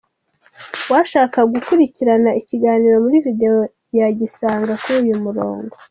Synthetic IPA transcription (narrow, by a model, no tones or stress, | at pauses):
waʃaːkaɡukuɾiciɾanaiciɡaːniɾo̞muɾivide̞o | jaɟisaːŋɡakujumuɾo̰ːŋɡo̞